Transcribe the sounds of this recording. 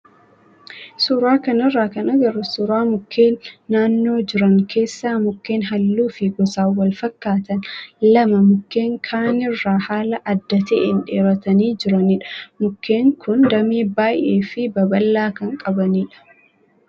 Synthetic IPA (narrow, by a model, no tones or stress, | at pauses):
suːɾaːkɐnɪrːaːkɐnɐɡɐɾʊsʊɾaːmʊkːe̞ːnːaːnːo̞ːd͡ʒɪɾɐŋkʰe̞ːsːaːmʊkːeːnɦɐlːuːfɪɡɔsaːwɐlfɐkːaːt̪ɐnlɐmɐmʊkːe̞ːŋkʰaːnɪrːaːhaːlɐʔɐd̪ːɐt̪ɛʔenᶑeːɾɐt̪ɐniːd͡ʒɪɾɐnɪᶑɐ̥mʊkːe̞ːŋkʰʊnd̪ɐmeːbaːjʔeːfɪbɐbɐlːaːkɐŋkʼɐbɐniːᶑɐ̥